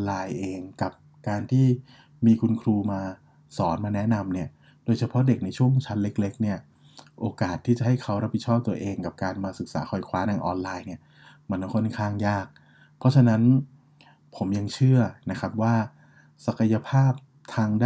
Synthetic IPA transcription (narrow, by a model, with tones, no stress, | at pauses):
laː˧jʔeː˧ŋka˨˩p̚ | kaː˧nt̪ʰiː˥˩ | miː˧kʰu˧nkʰɾuː˧maː˧ | sɔː˩˦nmaː˧nɛ˦˥na˧mni˥˩ɐ | doː˧jt͡ɕʰa˧pʰɔ˦˥de˨˩k̚na˧jt͡ɕʰu˥˩əŋ˦t͡ɕʰa˦˥nle˦˥k̚le˦˥k̚ni˥˩ɐ | ʔoː˧kaː˨˩t̪ʰːiː˥˩t͡ɕa˨˩ha˥˩jkʰa˦˥wɾa˦˥p̚ʰi˨˩t͡ɕʰɔː˥˩p̚t̪u˧ɐʔeː˧ŋka˨˩p̚kaː˧nmaː˧sɯ˨˩k̚sa̰ː˩˦xʰɔ˨˩jkʰwaː˦˥nʰaː˧ŋʔɔː˧nlaː˧jni˥˩ɐ | ma˧n˧kʰo˥˩nkʰaː˥˩ŋjaː˥˩k̚ | pʰɾɔ˦˥t͡ɕʰa˧na˦˥n | pʰo˩˦mja˧ŋt͡ɕʰɯ˥˩ɐna˦˥kʰa˦˥p̚waː˥˩ | sa˨˩ka˧ja˧pʰaː˥˩p̚ | t̪ʰaː˧ŋda